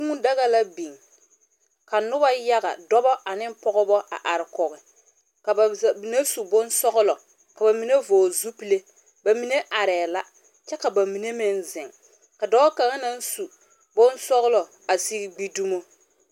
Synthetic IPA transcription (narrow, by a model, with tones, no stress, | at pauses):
u˦mu˦da˦ɣa˦la˦bi˨ŋ | ka˨nʊ˦ba˦ja˦ɣa̰˨dɔ˦bɔ˦ʔa˨nɪ˦m˦pɔ˦ɣʊ˦bɔ˦ʔa̰˨ʔa˨ɾɪ˨kɔ˨ɣɪ˨ | ka˨ba˨mi˨ne˦su˨bʊ˦nsɔ˦ɣʊ˦lɔ˨ | ka˨ba˨mi˨ne˦voː˨zu˦pi˦le˦ | ba˨mi˨ne˦ʔa˨ɾɛː˨la˦ | t͡ʃɛ˦ka˨ba˨mi˨ne˦mɪ˦nzɪ˨ŋ | ka˨dɔ˦ka˨ŋa˦na˦n˦su˨ | bʊ˦nsɔ˦ɣʊ˦lɔ˨ | a˨si˦ɡɡ͡bi˦du˦mo˦